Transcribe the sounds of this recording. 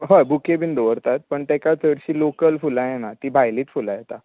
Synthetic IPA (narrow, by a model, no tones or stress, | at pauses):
ɦəjbukebʱiːnd̪oʋəɾt̪at̪̚pəɳt̪ɛkat͡sʰəɽɕiːlokəlfulãjenat̪iːbʱajliːt͡sfulãjet̪a